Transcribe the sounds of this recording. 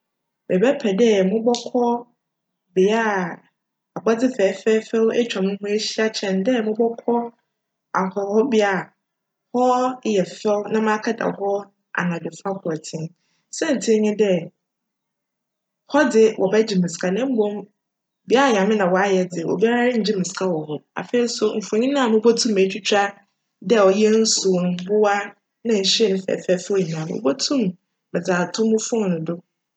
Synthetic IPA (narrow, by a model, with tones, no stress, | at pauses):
bɛ˨bɛ˦pʰɛ˨dɛ˦mʊ̃˦bɔ˦kʰɔ˦ | bɪ˨a˦˨ | a˨ba˦d͡zɪ˦fɛː˨˦fɛː˦fɛ˦wɛ˦t͡ɕᶣã˨mɪ̃˦ɦʊ̃˦e˦ɕi˦a˦t͡ɕʰɛ̃˨ndɛ˦˨mʊ̃˦bɔ˦kʰɔ˦ | a˨hɔ˨hɔ˦bɪ˦a˦˨ | hɔ˦jɛ˨fɛ˦wnã˦mãː˦kʰa˦da̰˨hɔ˦ | a̰˨nã˨dʊ˨fa˦kʰʊ˨ɛ˨tʰĩ˦n | sɛ̃˦n̩˨tʰɪ˦ɲɪ̃˦dɛ˦ | hɔ˦dɪ˨wʔɔ̰˨bɛ˦d͡ʑi˨mɪ̃˨skʰa˨nɛ̃˦m̩˦bõ˦m | bi˨˦a˦a˨ɲã˨mɪ̃˦nã˨wɔ˨a˦jɛ˨dɪ˨ɛ˨ʔɔ̰˨bi˦a˦ɾa˦ɲ̩˨d͡ʑi˦mɪ̃˨skʰa˦wɔ˨ɦɔ˦a̰˨fe˨i˨˦sʊ˦m̩˨fʊ̃˨ɲĩ˦nã˦˨ʊ̃˦bo˦tʰũ˦mː˨e˨t͡ɕᶣi˦t͡ɕʰᶣa˦ | dɛ˦˨ɔ˨jɛ˦n̩˦su˨n˦bʊ˦wa˦ | nã˨ɲ̩˨ɕɛ˦nɪ̃˦fɛ̰˨fɛ˦fɔ˦i˨nã˨m˨ʊ̰˦bɔ˦tʰũ˦m | bɛ˨d͡zaː˨tʰʊ̃˦mʊ̃˦fʊ̃˦˨nʊ̃˨dʊ˦